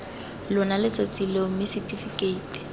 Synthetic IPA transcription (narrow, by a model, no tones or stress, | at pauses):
lʊnalɪt͡sʼat͡silomɪsitʼifikeiːti̥